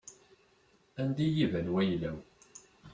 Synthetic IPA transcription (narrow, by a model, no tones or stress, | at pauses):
ænd̪ijivænwæjlæw